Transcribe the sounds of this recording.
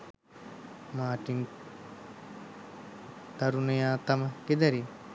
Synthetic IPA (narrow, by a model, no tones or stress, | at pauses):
maːʈiŋ | t̪aɾunejaːt̪aməked̪ɐɾi